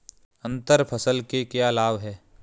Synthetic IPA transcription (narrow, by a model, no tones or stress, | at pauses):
ə̃nt̪əɾpʰəsəlkekjaːlaːʋɦɛː